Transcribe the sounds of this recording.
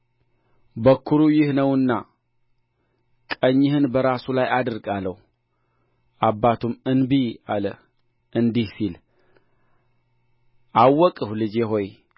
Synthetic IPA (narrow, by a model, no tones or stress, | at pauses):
bəkʰːuɾujɪhnəwɨnːa | kʼəɲːɪhɨnbəɾasulajad̪ɨɾɡaləh | ʔabːat̪ʰumɨnbia̰lə | ʔɨnd̪ihsil | ʔawːɔkʼɨhlɨd͡ʒeɦo̞j